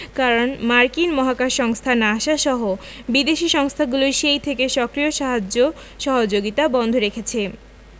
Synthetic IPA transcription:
kaɾonmaɾkinmɔɦakaɾʃɔŋst̪ʰanaʃaʃɔɦo | bid̪eʃiʃɔŋst̪ʰaɡuloʃejt̪ʰekeʃɔkɾijoʃaɦad͡ʑo | ʃɔɦod͡ʑoɡit̪abɔnd̪ʱoɾekʰet͡ɕʰe

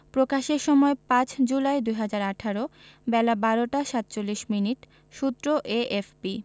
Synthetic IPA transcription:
pɾokaʃeɾʃɔmɔepãt͡ɕʰd͡ʑulaed̪ujɦad͡ʑaɾaʈʰaɾobɛlabaɾoʈaʃat̪ːt͡ɕolːiʃminiʈ | ʃut̪ːɾoʔeʔefpi

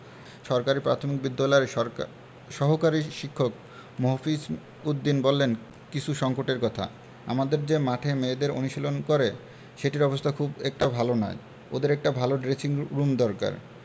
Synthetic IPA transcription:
ʃɔɾkaɾipɾa̰t̪ʰomik̚bid̪ːalɔeɾ | ʃɔɦokaɾiʃikʰːok̚ | moɦofis | ud̪ːinbolːen | kit͡ɕʰuʃɔŋkoʈeɾkɔt̪ʰa̰ | a̰mad̪eɾd͡ʑemaʈʰemed̪eɾo̰nuʃilonkoɾe | ʃeʈiɾɔbost̪ʰakʰubɛk̚ʈabʱalonɔ̰e | od̪eɾɛk̚ʈabʱaloɖɾet͡ɕiŋɾumd̪ɔɾka̰ɾ

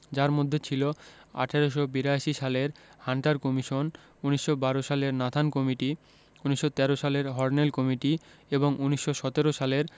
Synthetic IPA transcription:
d͡ʑaɾmod̪ʱːet͡ɕʰiloa̰ʈʰaɾoʃobiɾaʃiʃaleɾhaɳʈaɾkɔmiʃon | uniʃʃobaɾoʃaleɾnat̪ʰankɔmiʈi | uniʃːot̪ɛɾoʃaleɾɦɔɾnelkɔmiʈieboŋʔuniʃːoʃɔt̪eɾoʃaleɾ

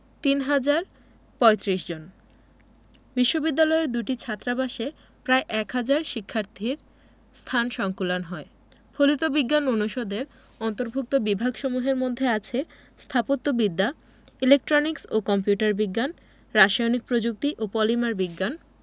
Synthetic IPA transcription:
t̪inɦad͡ʑaɾ | pɔet̪ɾiʃd͡ʑon | biʃːobid̪ːalɔeɾd̪uʈit͡ɕʰat̪ːɾabaʃe | pɾaeʔɛkɦad͡ʑaɾʃikʰːaɾt̪ʰiɾ | st̪ʰanʃɔŋkulanɦɔe | pʰolit̪obiɡːanonuʃod̪eɾ | ɔnt̪oɾbʱuk̚t̪obibʱaɡʃɔmuɦeɾmod̪ʱːeat͡ɕʰe | st̪ʰapot̪ːobid̪ːa | ilek̚ʈɾoniksokɔmpjuʈaɾbiɡːan | ɾaʃajonik̚pɾod͡ʑuk̚t̪iʔopɔlimaɾbiɡːan

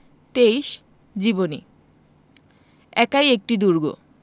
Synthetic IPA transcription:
t̪ejʃ | d͡ʑibonḭ | ɛkajek̚ʈid̪uɾɡo̰

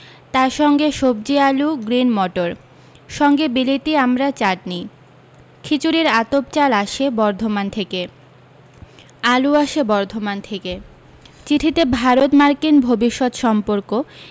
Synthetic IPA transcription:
t̪aɾʃɔŋɡeʃob̚d͡ʑialuɡɾinmɔʈoɾ | ʃɔŋɡebilit̪iamɾat͡ɕaʈ̚ni | kʰit͡ɕuɾiɾat̪op̚t͡ɕalaʃebɔɾd̪ʱomant̪ʰeke | aluaʃebɔɾd̪ʱomant̪ʰeke | t͡ɕiʈʰit̪ebʱaɾot̪maɾkinbʱobiʃːɔt̪ʃɔmpoɾko

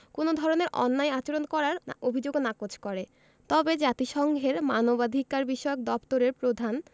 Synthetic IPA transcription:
konod̪ʱɔɾoneɾʔɔ̰nːajat͡ɕoɾonkɔɾaɾobʱid͡ʑoɡnakot͡ɕʰkɔɾe | t̪ɔbed͡ʑat̪iʃɔŋɡʱeɾmanobad̪ʱikaɾbiʃɔeok̚d̪ɔpt̪oɾeɾpɾod̪ʱan

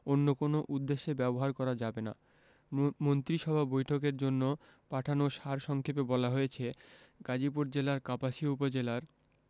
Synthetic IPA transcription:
onːokonoʔud̪ːeʃːebɛboɦaɾkɔɾad͡ʑabena̰ | mont̪ɾiʃɔbʱabojʈʰokeɾd͡ʑonːo | paʈʰanoʃaɾʃɔŋkʰepebɔlaɦojet͡ɕʰeɡad͡ʑipuɾd͡ʑelaɾkapaʃioupod͡ʑelaɾ

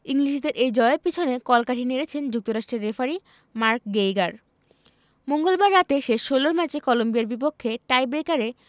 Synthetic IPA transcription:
iŋliʃd̪eɾʔejd͡ʑɔeepit͡ɕʰonekɔlkaʈʰineɾet͡ɕʰend͡ʑuk̚t̪oɾaʃʈɾeɾːefaɾi | maɾk̚ɡejɡaɾ | moŋɡolbaɾːat̪eʃeʃːoloɾmɛt͡ɕekɔlombijaɾbipokʰːeʈajbɾekaɾe

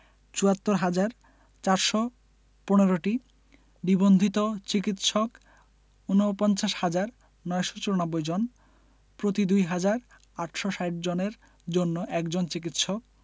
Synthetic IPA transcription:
t͡ɕuat̪ːoɾɦad͡ʑaɾ | t͡ɕaɾʃɔ | poneɾoʈi | ɖibond̪ʱit̪ot͡ɕikit̪ʃɔk | unopɔnt͡ɕaʃhad͡ʑaɾ | nɔeʃɔ̥t͡ɕuɾonɔbːojd͡ʑon | pɾot̪id̪ujɦad͡ʑaɾ | aʈʃɔʃajʈ̚d͡ʑoneɾ | d͡ʑonːoʔɛkd͡ʑont͡ɕikit̪ʃɔk̚

